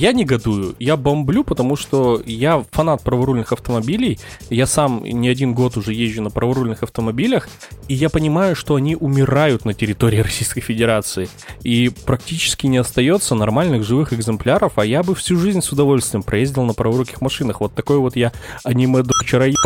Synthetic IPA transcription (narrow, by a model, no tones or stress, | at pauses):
janʲɪɡɐd̪ujʊjabɐmblʲupət̪ɐmuʂt̪o̞jafɐnat̪̚pɾəvɐɾulʲnɨxɐft̪əmɐbʲilʲɪjjasam̰nʲɪɐdʲinɡo̞t̪ʊʐɛjeʑʲːʊnəpɾəvɐɾulʲnɨxɐft̪əmɐbʲilʲəx | ijapənʲɪmajʊʂt̪o̞ɐnʲiʔʊmʲɪɾajʊt̪nətʲɪɾʲɪt̪o̞ɾʲɪːɾɐsʲijskəjfʲɪdʲɪɾat̪sɨɪ | ipɾɐk̚tʲit͡ɕɪ̥skʲɪnʲɪɐst̪ɐjo̞t̪sənɐrmalʲnɨɣʐɨvɨxɨɡzɨmplʲaɾəfɐjabɨfsʲuʐɨzʲnʲsʊd̪ɐvo̞lʲsʲt̪vʲɪjɪmpɾɐjezʲdʲɪlˠnəpɾəvɐɾukʲɪxmɐʂɨnəxvo̞t̪ːɐko̞jvo̞t̪jaɐnʲimɛd̪ot͡ɕɪɾaj